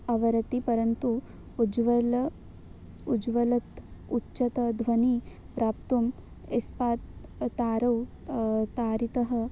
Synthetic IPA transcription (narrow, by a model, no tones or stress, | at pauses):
ɐʋɐɾɐt̪ipɐɾɐnt̪u | d͡ʒʋɐlɐ | ud͡ʒʋɐlɐt̪utːʃɐt̪ɐd̪ʱʋɐni | pɾaːpt̪um | espaːt̪ːaːɾɐw | t̪aːɾit̪ɐɦɐ̆